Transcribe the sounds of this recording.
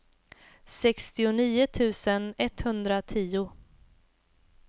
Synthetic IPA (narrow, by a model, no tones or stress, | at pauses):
sɛkst̪ɪʊniːʊt̪ʰʉ̟ːsənɛt̪hɵnd̪ɾat̪ʰiːʊ